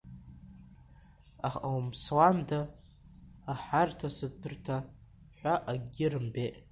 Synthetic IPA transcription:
aχawmswandaː | ħartʰasɨpʰɨrtʰa | ħʷaʔaɡʲɪɾɨmbeʔ

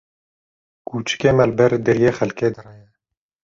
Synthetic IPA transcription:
kuːt͡ʃɨ̥keːmɛlbɛɾd̪ɨɾjeːxɛlkeːd̪ɨrɛjɛ

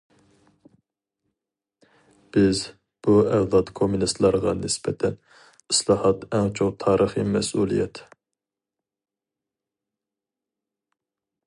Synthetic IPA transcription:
b̥ɪz | b̥uæʁd̪ɑt̪kʰomunist̪lˠɑɾʁɑnɪsbɛt̪ʰɛn | islˠɑhɑt̪ɛŋt͡ʃʰoqt̪ʰɑːɾəχimɛsulˠijɛt̪

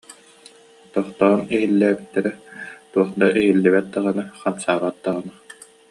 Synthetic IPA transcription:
t̪ɔχt̪ɔːniɦilːæːbit̪ːɛɾɛt̪uɔχd̪aʔiɦilːɛbɛt̪̚d̪aʁanaχansaːʁat̪̚d̪aʁana

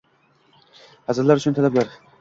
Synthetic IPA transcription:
hazɨɾlaɾʊt͡ʃʰʊnt̪ʰalablaɾ

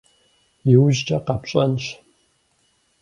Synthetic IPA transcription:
jɪwʒd͡ʒʼɐqɑpɕʼɐnʃ

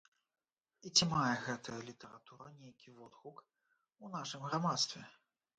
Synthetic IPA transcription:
it͡sʲimajɛɣɛt̪ʰɐjɐlʲit̪ɛɾa̰t̪uɾɐnʲejkʲivɔd̪xuk | unaʂɨmɣɾamat̪st̪vʲɛ

